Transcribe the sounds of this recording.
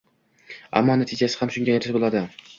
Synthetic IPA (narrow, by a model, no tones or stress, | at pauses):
a̰mːɒnat̪ʰɪd͡ʒasɪ̥hamʃʊŋɡʲajɪɾsbolˠad̪ɪ